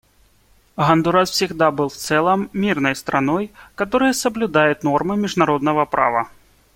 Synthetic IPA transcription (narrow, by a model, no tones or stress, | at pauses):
ɣɐnd̪uɾaswfsʲiɣd̪abɨlˠwt̪sɛlˠɐmːʲirnɐjst̪ɾanɔjkat̪ɔɾɨjɐsɐblʲud̪ajʊt̪nɔrmɨmʲiʐnaɾɔd̪nɐvɐpɾa̰vɐ̰